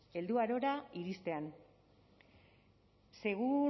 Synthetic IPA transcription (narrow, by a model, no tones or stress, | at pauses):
e̞ld̪uaɾo̞ɾaiɾist̪e̞an | se̞ɣu